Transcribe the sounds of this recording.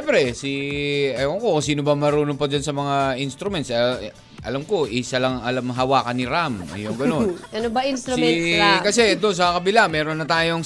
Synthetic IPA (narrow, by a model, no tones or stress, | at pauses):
ɛmpɾɛsiɐoŋkokɐsiːnobɐmɐɾuːnopɐd͡ʒɐnsɐmɐŋaʔinst̪ɾʊmɛnsɐ | ʔɐ̰lamko̞ʔisɐlɐŋɐlamɦɐwaːkɐnɪɾamʔɐ̰joŋɡɐno̞nʔɐnobɐʔinst̪ɾkɐsɛd̪ons̬ɐkɐbɪlamɛːɾonːɐt̪aːjoŋ